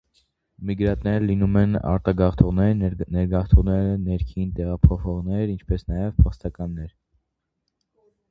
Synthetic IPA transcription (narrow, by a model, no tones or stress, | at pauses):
miɡɾɑt̪nɛɾəlinumɛnɑ̰ɾt̪ɑɡɑχt̪ʰɔʁnɛɾnɛɾɡɑχt̪ʰɔʁnɛɾənɛɾkʰint̪ɛʁɑpʰɔχɔʁnɛɾint͡ʃʰpɛsnɑjɛvpʰɑχst̪ɑkɑnːɛɾ